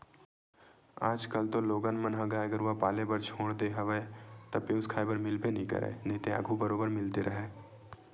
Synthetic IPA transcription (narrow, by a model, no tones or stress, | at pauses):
aːd͡ʒkəlt̪oloːɡənmənɦãɡaːəɡəɾʋapaːlebəɾt͡ʃʰoːɽd̪eɦɐʋəet̪ɐpeːskʰaːjbəɾmɪlpenəɦĩkə̰ɾḛːnəɦĩt̪ea̰ːɡʱubəɾoːbəɾmɪlt̪eɾʔɐɦeː